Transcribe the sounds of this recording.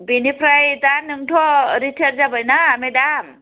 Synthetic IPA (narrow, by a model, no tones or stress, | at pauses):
binipʰɾajdanɯŋtʰɔɾitʰeɾd͡ʒabɯjnaːmedam